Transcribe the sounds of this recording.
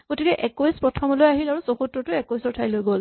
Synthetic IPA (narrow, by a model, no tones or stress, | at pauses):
ɡ̥otikɛʔɛkojspɹɔtʰɔmɔlojaɦilaɹusɔxutːɔtʊɛkojsɔtʰajlojɡol